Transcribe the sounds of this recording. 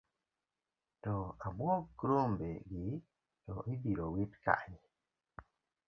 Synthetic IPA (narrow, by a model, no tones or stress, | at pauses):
tɔamwɔkɾombeɡɪ | tɔʔibiɾowitka̰ɲi